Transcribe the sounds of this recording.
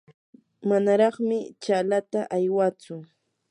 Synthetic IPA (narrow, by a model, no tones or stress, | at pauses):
manaɾɑχmɪt͡ʃalat̪aʔajwat͡sʊ